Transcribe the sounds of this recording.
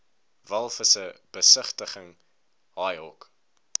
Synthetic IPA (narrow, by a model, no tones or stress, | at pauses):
vælˠfəsəb̥əsəχtəχəŋ | ɦɑjɦɔk